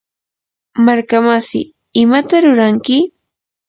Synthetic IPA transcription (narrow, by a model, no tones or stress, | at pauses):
maɾkamasɪ̰ | ɪmat̪aɾʊɾaŋkɪ